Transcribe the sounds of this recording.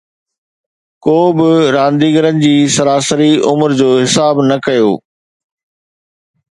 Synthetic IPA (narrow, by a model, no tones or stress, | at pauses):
koːbɪɾãːnd̪iːɡəɾənɪ̆d͡ʑiːsɐɾaːsəɾiʊmɾd͡ʑoːɦɪsaːbnɐkɐjoː